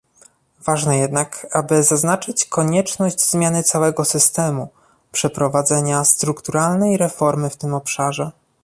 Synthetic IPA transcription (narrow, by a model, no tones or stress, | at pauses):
vaʐnɛjɛd̪nakabɘzaznat͡ʂɘt͡ɕkɔɲɛt͡ʂnɔʑd͡ʑzmʲjanɘt̪sawɛɡɔsɘst̪ɛmu | pʂɛpɾɔvad̪zɛɲast̪ɾukt̪uɾalnɛjɾɛfɔɾmɘft̪ɘmɔpʂaʐɛ